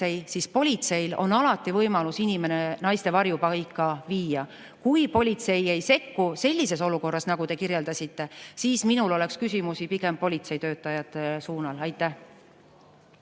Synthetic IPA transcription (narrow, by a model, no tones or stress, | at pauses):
e̞jsispo̞lʲit̪se̞jlo̞̰nɑlɑt̪ːˑivɤjmɑlusinʲime̞ne̞nɑjst̪e̞vɑrjupɑjkːɑviːjɑ | kujpo̞lʲit̪se̞je̞jse̞kːuse̞lʲːise̞so̞luko̞rːɑsnɑɡ̥ut̪e̞kiɾje̞ld̪ɑsʲit̪ːe̞siːsminulo̞le̞kskysʲimusipike̞mpːo̞lʲit̪se̞jt̪ø̞ːt̪ˑːɑjɑt̪ːˑesuːnɑlɑjt̪ˑːæh